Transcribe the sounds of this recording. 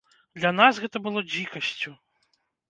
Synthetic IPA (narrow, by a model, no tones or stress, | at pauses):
d̪lʲɐnasɣɛt̪ɐbɨlˠɔd͡zʲikɐsʲt͡sʲu